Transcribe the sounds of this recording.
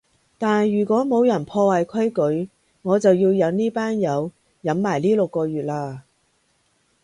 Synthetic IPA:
t̪aː˨njyː˨˩kʷɔː˨˥mo˨˧wjɐ˨˩npʰɔː˧waː˨˩jkʰɵ˥ɥkɵ˨˥ɥ | ŋɔː˨˧t͡sɐ˨wjiː˧wjɐ˨˧wniː˥paː˥njɐ˨˧w | jɐ˨˥mːaː˨˩jliː˥lʊ˨kːɔː˧ɥyː˨t̚laː˧

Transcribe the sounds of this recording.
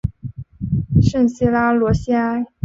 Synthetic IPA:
ʂə˥˩nɕi˥la˥lwɔ˧˥ɕi˥a˥ɪ

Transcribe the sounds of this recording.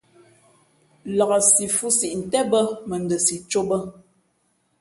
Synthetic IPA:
la˨ɣə˨si˨fu˦si˨ʔn̩˨tɛ˦bə˦mə˨n˨də˨si˨t͡ʃo˦bə˦

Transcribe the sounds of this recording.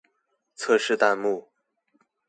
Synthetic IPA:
t͡sʰɤ˥˧ʂɻ̩˥˧t̪a˥˧nmu˥˩

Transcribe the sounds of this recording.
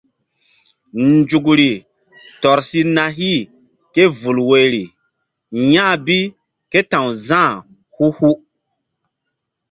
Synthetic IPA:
nd͡ʒu˨kɾi˨ | tɔ˨ɾsi˦na˨ɦi˦ | ke˦vu˨lwe˨ɾi˨ | jã˦˨bi˦ | ke˦tã˨wzãː˦˨ | hu˦hu˦

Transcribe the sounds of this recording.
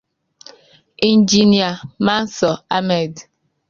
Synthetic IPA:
i˨n˦d͡ʒi˦ni˨a˨ma˦n̩˦sɔ˨a˦mɛ˨d

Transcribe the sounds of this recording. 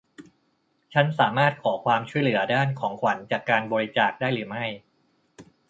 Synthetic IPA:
t͡ɕʰa˦˥nsaː˩˦maː˥˩t̪̚kʰɔː˩˦kʰwaː˧mt͡ɕʰu˥˩jlɯ˩˦ɐdaː˥˩nkʰɔː˩˦ŋkʰwa˩˦nt͡ɕaː˨˩kːaː˧nbɔː˧ɾi˦˥t͡ɕaː˨˩k̚daː˥˩jɾɯː˩˦ma˥˩j

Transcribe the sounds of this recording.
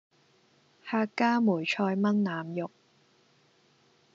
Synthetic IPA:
haː˧kːaː˥muː˨˩jt͡ʃʰɔː˧jmɐ˥nnaː˨mjʊ˨k̚

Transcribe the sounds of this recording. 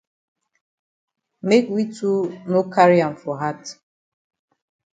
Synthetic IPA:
me˦kwi˦tu˦no˦kʰa˦ɾi˦ã˨m˨fɔ˨ɦa˦t

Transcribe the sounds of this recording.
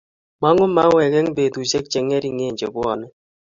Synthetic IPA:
ma˦ŋʊ˦ma˦wɛ˨kɛ˦ŋbe˨tu˨se˦k̚t͡ʃɛ˨ŋɛ˦ɾi˦˨ŋeː˦˨ɲd͡ʒe˨bwɔ˨nɛ˦

